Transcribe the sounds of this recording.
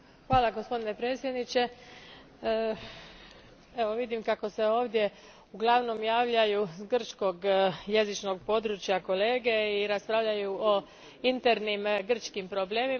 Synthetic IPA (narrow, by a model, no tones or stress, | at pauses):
xʋaːlˠaɡospo̞d̪ine̞pɾe̞ːt̪sje̞d̪nit͡ɕe̞ | e̞ʋo̞ʋid̪imkako̞se̞o̞ːʋd̪je̞ | uɡlˠaʋno̞mjaːʋʎajuɡr̩t͡ʃko̞ɡje̞zit͡ʃno̞ɡpo̞d̪ɾut͡ʃjako̞le̞ːɡeiɾaspɾaʋʎajuo | int̪eɾnimɡr̩t͡ʃkimpɾoble̞ːmi